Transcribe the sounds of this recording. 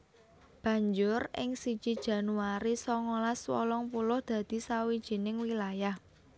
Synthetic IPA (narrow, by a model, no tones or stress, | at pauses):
b̥ä̤ɲd͡ʒʊrɪ̰ŋsid̥ʒ̥i̤d̥ʒ̥ä̤nuaɾisɔŋolaswɔ̰lɔŋpulʊhd̪̥ä̤d̪̥i̤sawid̥ʒ̥i̤nɪŋwilajah